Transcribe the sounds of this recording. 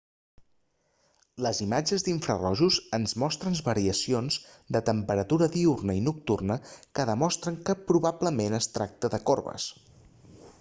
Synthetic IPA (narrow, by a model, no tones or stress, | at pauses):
ləzimad͡ʒəzðiɱfɾərɔʒuzənzmɔst̪ɾənβəɾiəsionz | d̪ət̪əmpəɾət̪uɾəðiurnəinuk̚t̪urnəkəðəmɔst̪ɾəŋkəpɾuβabləmenəst̪ɾak̚t̪əðəkorβə̰s